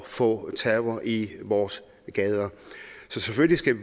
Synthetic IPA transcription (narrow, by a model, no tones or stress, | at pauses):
fɔ̰̽ːt͡sʰɛbɐʔiʋɒːs | ɡ̥ɛðˠɐsɒ̽seføllisɡ̥æ